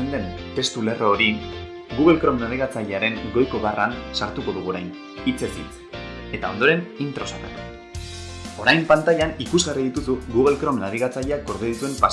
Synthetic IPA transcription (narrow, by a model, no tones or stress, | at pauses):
nd̪e̞nt̪e̞st̪ule̞ro̞ːɾi | ɡuɣe̞lkɾo̞menaðiɣat͡saʎeaɾe̞ŋɡo̞jko̞βaransaɾt̪uko̞ðuɣ̞uoɾajn | it͡se̞kḭt͡s | e̞t̪aond̪o̞ɾe̞nint̪ɾo̞sat̪akuo̥ | o̞ɾajmpant̪aʎanikuzɣariðit̪usuɣuɣe̞lkɾo̞menaɾiɣ̞at͡saʎeak̚ɡo̞ɾðeðit̪ue̞mpa